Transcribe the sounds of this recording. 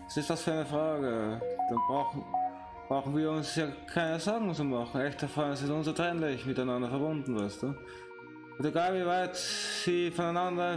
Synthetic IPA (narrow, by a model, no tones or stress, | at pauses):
vasɪstasfyːaɪnəfʁ̥aːɡəd̥anbʁaʊxn̩ | b̥ʁaʊxn̩viːɐʊnsjaːkʰaɪnəzɔɐɡŋ̩t͡suːmɑχn̩ɛçtafansɪstʊnsotʁɛnlɪçmɪtaɪnandɐfɛɐbʊndn̩vaɪstd̥uː | teɡaːlviːvaɪtsiːfɔnaɪnandɐ